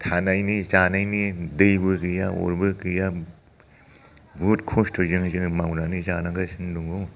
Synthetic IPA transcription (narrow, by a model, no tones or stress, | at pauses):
tʰanajnit͡ʃanajnidɯjbɯkɯjao̰ɾbɯkɯja | butkʰostʰozɯŋzɯŋmawnanizanaŋɡasɯnduŋɡu